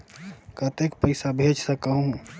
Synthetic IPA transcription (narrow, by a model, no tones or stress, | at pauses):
kət̪ekpəɪsabʱed͡ʒsəkəɦũɦũ